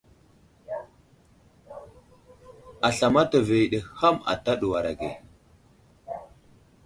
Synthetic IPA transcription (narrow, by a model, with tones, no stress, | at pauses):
a˨ɬa˨ma˦ta˨ve˨i˨ɗe˨ha˦ma̰˨ta˦ɗu˨wa˨ɾa˨ɡḛ˨